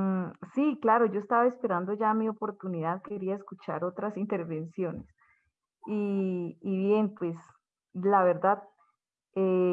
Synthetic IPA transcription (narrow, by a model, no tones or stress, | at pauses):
siklaɾo̞ʝo̞est̪aβaespe̞ɾand̪o̞ʝamio̞poɾt̪uniðaðke̞ɾiaeskut͡ʃa̰ɾo̞t̪ɾasint̪e̞ɾβe̞nsjo̞nes | iː | βje̞npwe̞s | laβe̞ɾd̪að | e